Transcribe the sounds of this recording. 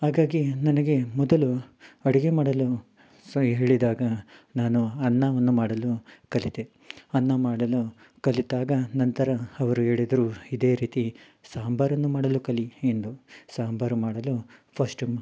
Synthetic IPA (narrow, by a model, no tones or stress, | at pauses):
haːɡaːɡinɐnɐɡe̞mɔd̪ɐluɐɽiɡemaːɽɐlu | ɦe̞ːɭid̪aːɡɐnaːnuɐnːaːʋɐnːumaːɽɐlukɐlit̪e | ɐnːamaːɽɐlu | kɐlit̪aːɡɐnɐnt̪ɐɾɐɐʋɐɾuɦe̞ːɭid̪ɐɾuːid̪e̞ːɾiːt̪i | saːmbʱɐɾɐnːumaːɽɐlukɐliend̪usaːmbʱɐɾumaːɽɐlupʰɐsʈum